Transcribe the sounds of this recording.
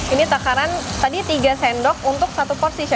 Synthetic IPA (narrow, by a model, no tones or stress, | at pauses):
init̪akaɾant̪adit̪iɡasɛndɔk̚unt̪ʊk̚sat̪upɔrsiʃa